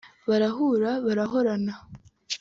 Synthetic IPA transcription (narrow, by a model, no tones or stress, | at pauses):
βaɾaɦuɾaβaɾaɦo̞ɾana